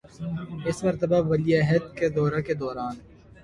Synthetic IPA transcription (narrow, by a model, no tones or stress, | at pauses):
ɪsmɐɾt̪ɐbaʋɐliaɦed̪̚ked̪ɔːɾaked̪ɔːɾaːn